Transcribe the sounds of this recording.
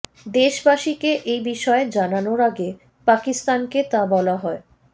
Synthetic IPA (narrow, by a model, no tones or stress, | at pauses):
d̪eʃbaʃikeʔejbiʃɔed͡ʑananoɾaɡe | pakist̪anket̪abɔlaɦɔe